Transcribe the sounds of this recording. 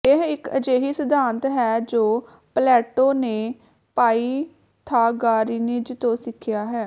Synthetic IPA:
ɪɦɪkə̰d͡ʒeːɦiːsəd̪aːnt̪ɦɛːd͡ʒoː | plɛːʈoːneː | paːiː | t̪ʰaːɡaːɾiːneːd͡ʒt̪õːsɪkʰɪjaːɦɛː

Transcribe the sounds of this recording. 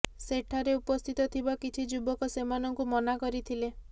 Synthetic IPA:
seʈʰaɾeupɔst̪ʰit̪ɔt̪ʰibakit͡ʃʰid͡ʒubɔkɔsemanɔŋkumɔnakɔɾit̪ʰile

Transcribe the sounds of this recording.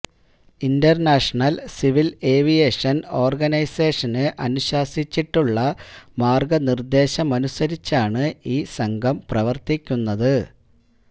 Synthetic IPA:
indɐrnaːʂɐɳɐlsiʋile̞ːʋijeːʂɐno̞ːrɡɐnɐjse̞ːʂɐnɨʔɐnuɕaːsit͡ɕːiʈːuɭːɐmaːrɡɐnird̪e̞ːɕɐmɐnusɐɾit͡ɕːaːɳɨiːsɐŋɡʱɐmprɐʋɐrt̪ikʲːunːɐðɨ

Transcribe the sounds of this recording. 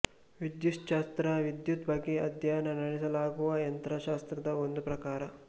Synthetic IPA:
ʋid̪juʂʃaːst̪ɾɐʋid̪jut̪bɐɡːeɐd̪ʱjaːjɐnɐnɐɽisɐlaːɡuʋɐjɐnt̪ɾɐʃaːst̪ɾɐd̪ɐond̪upɾɐkaːɾɐ

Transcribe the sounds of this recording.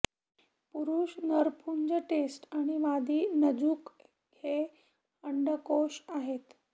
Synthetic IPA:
puɾuːɕnəɾpʰuɲd͡ʑəʈesʈaɽ̃iʋad̪iːnəd͡zuːk | he | əɳɖəkoɕaɦet̪

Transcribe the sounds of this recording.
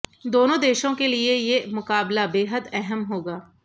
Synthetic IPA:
d̪oːnõd̪eːʃõkeliejemʊkaːblabeːɦəd̪ɛɦəmɦoːɡaː

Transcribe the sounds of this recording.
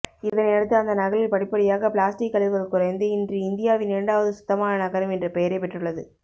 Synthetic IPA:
ɪðɐnɛɽɯt̪ːɯɐnd̪ɐnɐɣɐɭɪlpɐɽɪpːɐɽɪjaːɣɐpɭaːsʈɪkːɐlɪðʋɐðɯkːʊɾɐɪnd̪ɯɪndrɯɪnd̪ɪjaːʋɪnɛɳɖaːʋɐðɯsʊ̥t̪ːɐmaːnɐnɐɣɐɾɯmɛndrɐpɛjɐɾɐɪpɛʈːrɯɭːɐðɯ

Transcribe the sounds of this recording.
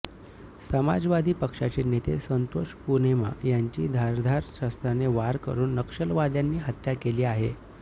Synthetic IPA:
səma̰d͡zʋad̪ʱiːpəkʂat͡ɕenet̪ḛsənt̪oʂpunema̰jaɲt͡ɕiːd̪ʱaɾd̪ʱaɾɕast̪ɾaneʋaɾkə̰ɾuːnːəkʂəlʋad̪janːiːɦət̪jakeliːaɦe

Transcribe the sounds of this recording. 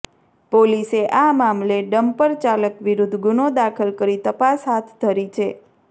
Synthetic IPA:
poliseʔamamleɖəmpəɾt͡ʃaləkʋiɾud̪ʱːɡunod̪akʰəlkəɾit̪əpasɦat̪ʰt̪ːʰəɾit͡ʃʰe

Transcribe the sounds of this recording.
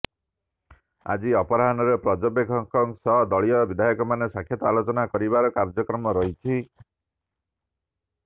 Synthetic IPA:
a̰d͡ʒiɔpɔɾaɦanɔɾepɾɔd͡ʒɔbekʰɔŋkɔŋsɔɦd̪ɔɭijɔbid̪ʱajɔkɔmanesakʰjɔt̪ɔalot͡ʃɔnakɔɾibaɾɔkaɾd͡ʒɔkɾɔmɔɾɔɦit͡ʃʰi

